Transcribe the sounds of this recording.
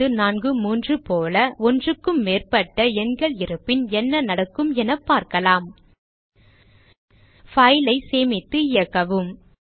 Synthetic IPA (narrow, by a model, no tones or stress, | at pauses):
ɯnaːnɡɯmuːndrɯpoːlɐʔɔndrɯkːɯmːeːrpɐʈːɐɛŋɡɐɭɪɾɯpːɪnɛnːɐnɐɽɐkːɯmɛnɐpːaːɾkɐlaːm | fɐɪlɐɪseːmɪt̪ːɯɪjɐkːɐʋɯm